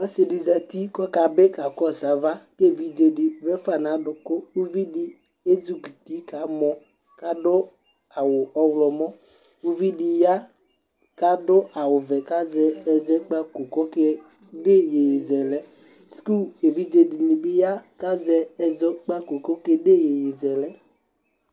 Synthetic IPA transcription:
ɔ˦se˨di˨za˨t̪i˦kɔ˦ka˨be˦ka˨kɔ˦˨sa˨˦va˦ke˦˨vi˦d͡ʒe˨di˨vɛ˦fa˨na˨˦dʊ˨kʊ˦u˦vi˦di˦ | e˦zu˦ɡi˨ti˦ka˨˦mɔ˨ | ka˦dʊ˦ | a˨wʊ˨ɔ˦wlɔ˨mɔ˦ | u˦vi˦di˨ja˦ | ka˦dʊ˦a˨wʊ˨vɛ˨ka˦zɛ˨ɛ˨zɛ˦k͡pa˦ku˨kɔ˦kɛ˦ | de˦je˨je˨zɛ˨lɛ˦ | sku˦˨e˨vi˦d͡ʒe˧di˨ni˨bɪ˦ja˦ka˦zɛ˧ɛ˦zɔ˦k͡pa˦ko˨kɔ˦ke˦de˦˨je˨je˨zɛ˨lɛ˦

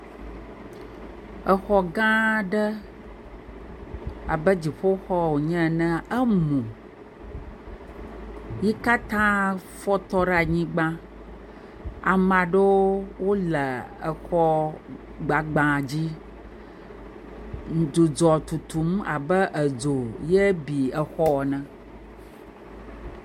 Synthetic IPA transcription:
ə˨xɔ˦ɡã˦ɖə˦ | a̰˨bə˦d͡ʑi˨ɸo˦xɔ˦wo˨ɲɛ̃˦˨nə̃˦ə˦mũ˨ | ji˦ka˦t̪ã˦ | fɔ˦t̪ɔ˦ɖa˨ɲĩ˦ɡ͡bã˦ | a˨mã˨ɖe˦wwo˦lə˨ə˨xɔ˦ | ɡ͡ba˨ɡ͡bã˨d͡ʑi˦ | n̩˨d̪u˨d͡ʒɔ˨t̪u˨t̪u˨m˦a̰˨bə˦ʔə˨d͡zo˨jɛ˦bi˨ə˨xɔ˦wɔ˨nə̃˦

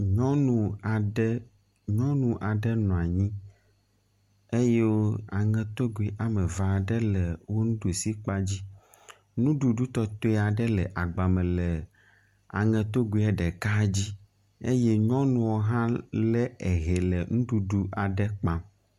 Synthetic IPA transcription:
ɲɔ̃˦nũ˨a˨ɖɛ˦ | ɲɔ̃˦nũ˨ʔa˨ɖɛ˦nɔ̃˨a˨ɲĩ˦ | e˦je˦wo˦a˨ŋɛ̃˨t̪o˦ɡu˨i˨ʔa˨mɛ˨va˨ɖɛ˦lɛ˨wo˦nũ˦ɖo˨si˦k͡pa˦d͡ʑi˦ | nũ˦ɖu˨ɖu˦t̪ɔ˦t̪o˦ɛ˦a˨ɖɛ˦lɛ˨ʔa˨ɡ͡ba˨mɛ̃˨lɛ˨ | a̰˨ŋɛ̃˨t̪o˦ɡu˨i˦ɛ˦ɖɛ˨ka˦d͡ʑi˦ | ḛ˦je˦ɲɔ̃˦nũ˦wo˦ɦã˦lɛ˦ɛ˨ɦɛ˨lɛ˨ŋũ˦ɖu˨ɖu˦ʔa˨ɖɛ˦k͡pã˦m

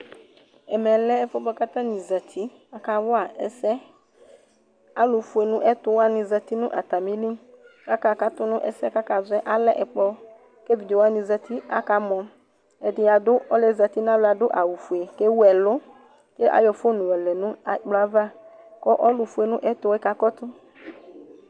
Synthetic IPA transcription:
ɛ˨mɛ˨lɛ˦ɛ˦fɔ˦bɔ˦ka˦t̪ã˦nĩ˨za˨t̪ʰi˦ | a˨ka˨wʊ˦a˨ɛ˨sɛ˦ | a˨˦lʊ˨fu˨e˨nʊ̃˦ʔɛ˦tʊ˦wa˦nɪ̃˨za˨t̪i˦nʊ̃˦ʔa˨t̪a˨mĩ˦li˦ka˦ka˦˨ka˨tʊ˦nʊ̃˦ʔɛ̰˨sɛ˦ka˦ka˨zɛ˦ʔa˨lɛ˦ʔɛ˨k͡pɔ˦ | ke˦vi˨de˨wa˦nĩ˨zɛ˨t̪ʰi˦a̰˨ka˨mɔ̃˨ | ɛ˨dɪ˨˦a˨dʊ˦ɔ˦lɛ˨za˨t̪i˦n˦ã˦lʊ˨˦a˨dʊ˦ʔa˨wu˨fu˨e˨ke˦wɛ˨lʊ˦ | ke˦ʔa̰˨jɔ˨fo˦nʊ̃˨wɛ˨lɛ˨nʊ̃˦a˨k͡plʊ˨˦a˦va˦ | kɔ˦ʔɔ˦lʊ˨fu˦e˨nʊ̃˦ʔɛ˦t̪ʊ˦wɛ˦ka˨˦kɔ˦t̪ʊ˦

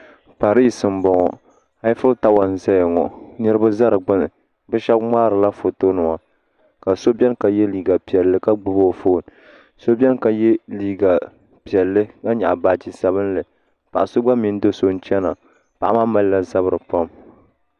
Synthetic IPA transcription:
pa˨ɾi˦sɨ˨m˨bɔ˨ŋɔ˨ | ha˦jfʊ˦lta˦wa˨n˨za˦jŋɔ̰˨nɨ˦ɾɨ˦ba˦za˦ɾɨ˨ɡ͡bɨ˦nɨ˨ | bɨ˦ʃɛ˦bmaː˦ɾɨ˨la˦fo˨to˦nɨ˨ŋa˨ | ka˨so˦bʲɛ˦nka˨jɛ˦liː˨ɡa˨pi˨ɛ˨lːɨ˦ka˦ɡ͡bʊ˦bo˦˨foː˦˨n˨ | so˦bʲɛ˦nka˨jɛ˦liː˨ɡa˨ | pi˨ɛ˨lːɨ˦ka˦ɲa̰˨ʔbaː˦˨d͡ʒi˦sa˦βɨ˦n˦lɨ˨ | pa˨ʔa˨so˦ɡ͡ba˦mi˨˦n˦do˦so˦n̩˦t͡ʃɛ˦na˨ | pa˨ʔa˦ma˦ma˦lla˦za˦bɨ˦ɾɨ˨pa˦m

